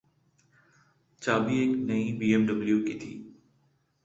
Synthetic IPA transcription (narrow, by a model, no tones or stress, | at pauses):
t͡ɕaːbieknɐĩbiːemɖəbljuːkit̪ʰḭː